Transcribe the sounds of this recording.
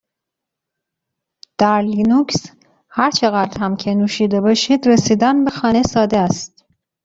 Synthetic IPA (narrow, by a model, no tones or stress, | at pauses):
d̪̥æɾlinuks | hæɾt͡ʃʰeɣæd̪ɾhæmcʲʰenuːʃiːd̪ebɒːʃid̪ɾesiːd̪ænbexɒːnesɒːd̪eæst̪